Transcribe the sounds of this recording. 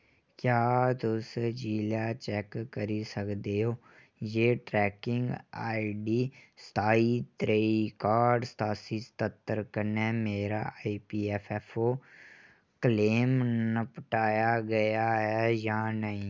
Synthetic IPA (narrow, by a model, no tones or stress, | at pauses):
kjaːt̪ʊsd͡ʒiːlaːt͡ʃɛːkːəɾisəkd̪eːɦoː | jeːʈɾɛːkɪŋɡaːiɖiːst̪ʰaːit̪ɾeːikaːɖst̪aːsiːst̪ət̪ːəɾkənɛːmeːɾaːiːpiːɛːpʰɛːpʰoː | kəleːmnəpəʈaːjaːɡəjaːɦɛːjaːnəɦĩː